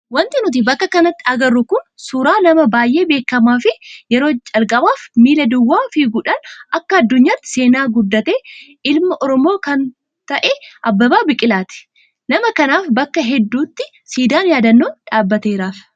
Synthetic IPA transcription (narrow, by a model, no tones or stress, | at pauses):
wɐnt̪ɪnʊt̪̬ɪbɐkːɐkɐnɐt̪ːɪɐɡɐrːʊkʊnsuɾaːnɐmɐbaːjʔe̞ːbe̞ːkːɐmaːfɪjɛɾo̞ːt͡ʃʼɐlkʼɐbaːfmiːlɐd̪ʊwːaːfiːɡʊᶑɐnɐkːɐɐd̪ːʊɲːaːt̪ːɪ̥se̞ːnaːɡʊd̪ːɐt̪e̞ː | ɪlmɐʔɔɾɔmo̞ːkɐn | t̪ɐʔɛʔɐbːɐbaːbɪkʼɪlaːt̪ɪ̥ | nɐmɐkɐnaːfbɐkːɐɦɛd̪ːuːt̪ːɪ | siːd̪aːnjaːd̪ɐnːoːᶑaːbːɐt̪e̞ːɾaːf